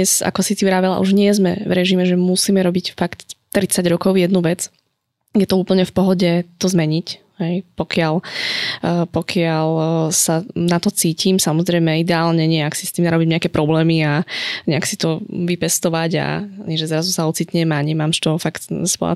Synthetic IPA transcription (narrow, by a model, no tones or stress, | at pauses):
ɛsa̰kɔsitiʋɾaːʋɛla̰ʔuʒɲɪɛzmɛvɾɛʒimɛʒɛmusiːmɛɾɔbicfakt̪t̪ːɾit͡saɟɾɔkɔʊjɛd̪nuʋɛd͡z | jɛt̪ɔuːpl̩ɲɛfpɔɦɔɟɛt̪ɔzmɛɲic | ɦɛjpɔkɪalː | pɔkʰɪalsanat̪ɔt͡siːcʰimsamɔzɾɛɪmɛid̪ɛaːlɲɛɲɛaksist̪iːmnaɾɔbimɲɛakɛpɾɔblɛːmiaɲɛaksit̪ɔʋipɛst̪ɔʋaɟa̰ɲɛʒɛzɾazusaɔt͡siːt̪ɲɛmaɲɛmaːmʃt̪ɔfakt̪sʋɔ̰a̰